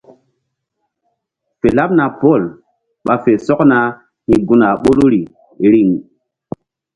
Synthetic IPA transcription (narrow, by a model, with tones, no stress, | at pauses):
fe˨la˦p̚na˨po˦˨l | ɓa˨fe˨sɔ˦kna˦ | hi˨ɡu˦na˨ɓo˦lo˦ɾi˨ | ɾi˦˨ŋ